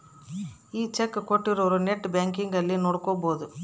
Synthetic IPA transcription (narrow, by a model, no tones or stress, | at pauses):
iːt͡ʃekːkoʈːiɾoʋɾuneʈːbjaːŋkiŋɡɐlːinoːɽukoboːd̪u